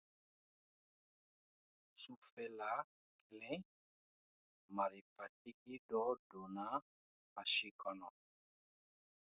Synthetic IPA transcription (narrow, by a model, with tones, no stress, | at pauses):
su˦fɛ˨la˨˦ | klɛ̃˦ | ma˨ɾi˨pa˨t̚i˦ki˦dɔ˨˦do˨na˦ | a˨ʃi˦kɔ˨nɔ˨